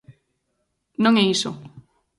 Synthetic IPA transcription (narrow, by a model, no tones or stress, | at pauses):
nõŋɛiso